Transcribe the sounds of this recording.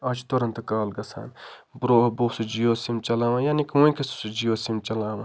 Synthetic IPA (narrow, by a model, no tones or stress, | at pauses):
aːt͡ʃt̪oɾɐnt̪ɐkaːlɡɐsa̰ːnbɾoːɦɐboːsud͡ʒijoːsimt͡ʃɐlaːʋãjaːnikũĩkɐsu̥sud͡ʒijoːsimt͡ʃɐlaːʋãː